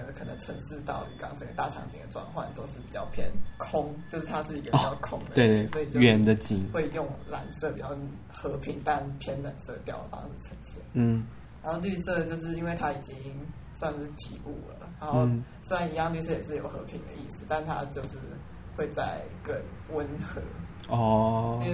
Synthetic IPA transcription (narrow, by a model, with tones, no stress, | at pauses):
ə˧kʰɤ˨˩nə̰˧˦ŋʈ͡ʂʰə˧˥ŋʂɻ̩˥˧t̪ɑ˥˩ʊ˨˩kɑ˥ŋt͡sə˨˩ɡə˩t̪a˥˩ʈ͡ʂʰɑ̰˧˥ŋt͡ɕḭ˨˩ŋd̪ə̰˨˩ʈ͡ʂwɑ̰˥˧nxwa̰˥˩nt̪o˥ʊʂɻ̩˥˩pi˨˩t͡ɕjɑ˥˩ʊpʰjɛ̰˥nkʰʊ˥ŋt͡ɕjo˥˧ʊʂɻ̩˥˩t̪ʰa˥ʂɻ̩˥˩i˧˥ɡəpt͡ɕɑ˥˧˩ʊkʰʊ˥ŋd̪ə˨twe˥˧ɛ˧˩swo˧˥i˨˩t͡ɕjo˥˧ɥɛ˧nd̪ə˧t͡ɕi˨˩ŋxwe˥˧ɪi˨˩jo˥˩ŋla˧˥nsɤ˥˩pi˨˩t͡ɕjɑ˥˩ʊ | xɤ˧˥pʰi˧˥˦ŋt̪a˥˩npʰjɛ˥nlə˨˩nsɤ̰˥˩t̪jɑ˥˩ʊdə̰˩fɑ̰˥ŋʂ̩˥˩ʈ͡ʂʰə˧˥nsḭ˥˩˥ | ɻa˧˦nxo˥˧ly˥˧sɤ˥˧t͡ɕjo˥˧ʊʂ̬ɻ̩˥˩i˥nwe˥˩ɪt̪ʰa˥i˨˩t͡ɕi˦˥ŋ | swa˥˧nʂɻ̩˥˩t̪ʰḭ˧˥ʔṵ˥˩lə̰˩ɻa˧˥nxo˥˧ʊsa˥˩ni˧˥jɑ˥˧ŋly˥˧s̬ɤ˥˩jɛ˨˩ʂɻ̩˥˩˨jo˨˩xɤ̰˧˥pʰi˧˥ŋd̪ə̰˧ʔi˥˩sɹ̩˨˩t̪a˥˧nt̪ʰa̰˦t͡ɕjo˥˧ʊʂɻ̩˥˧ | xwe˥˧ɪt͡sa˥˩ɪkə˦nwə˦nxɤ̰˧˥ | ɔ˥˩˧